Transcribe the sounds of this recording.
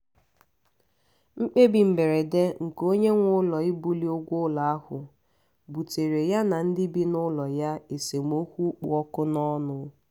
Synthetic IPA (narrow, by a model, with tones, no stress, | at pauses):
ŋ͡m̩˦k͡pe˦bi˨m̩˨be˨ɾe˨de˦ŋ̩˨ko˦ɲe˦ŋʷʊ˦lɔ˨ɪ˦bu˦li˦o˦ɡʷʊ˦la˨a˦hʊ˨ | bu˨te˨ɾe˨ja˦na˨n̩˦dɪ˦bi˦nʊ˦lɔ˨ja˦e˨se˨ŋ˦o˦kʷu˦k͡pṵ˨ɔ˦kʊ˦nɔ˦nʊ˦